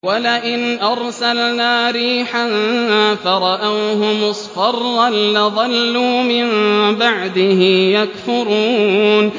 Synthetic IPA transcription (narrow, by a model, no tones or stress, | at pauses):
walɪʔɪnʔɑɾˤsalnaːɾiːħanfaɾˤɑʔawɦʊmʊsˤfɑrˤːalːɪðˤɑlːuːmɪmbaʕd̪ɪhɪjakfʊɾuːn